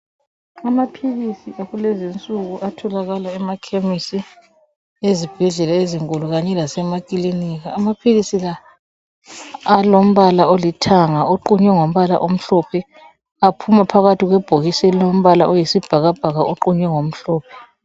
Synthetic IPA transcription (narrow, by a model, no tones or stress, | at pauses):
amapʰiɣisiʔaɣulɛzint͡sʼuɣuʔatʰɔlaɣalaɛmakʰemisi | ezib̥ʱɛɮɛlaeziŋkʼuluɣaɲɛlasɛmakʼiliniːɣaːmapʰiɣisila | lom̩βalaolitʰaŋaoǃuɲwɛŋom̩βala̰ʔom̩ɬɔpʰɛ | apʰumapʰaɣatiɣwɛb̥ʱoɣisɛlom̩βalaʔojisib̥ʱaɣab̥ʱaɣaʔoǃuɲwɛŋom̩ɬɔːpʰɛ̥